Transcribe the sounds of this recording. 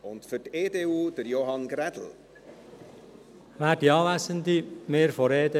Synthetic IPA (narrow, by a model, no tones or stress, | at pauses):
ʊntfʏteːdeːuːd̥əɾjoɦɑnɡɾɛd̥l̩ | ʋæːdiɑːʋæsənd̪imeːɾfɔɾeːdə